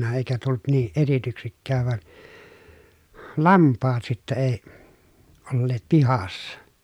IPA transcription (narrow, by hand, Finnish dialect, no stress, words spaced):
eˑi̯kæ tult niːʔ ʔetityksikːæːʋ ʋɑn lɑmpːɑːt sitːæ eˑi olːeːt pihɑsːɑ